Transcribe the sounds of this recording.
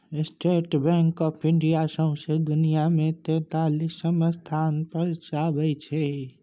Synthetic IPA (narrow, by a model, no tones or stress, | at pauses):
ɪsʈeːʈbɛ̃ːŋkɔːpʰɪ̃ɳɖijasə̃ʊ̃sed̪ʊnijamẽt̪ɛ̃ːt̪aːlisəməst̪ʰaːnpəɾt͡ʃaːbəit͡ʃʰe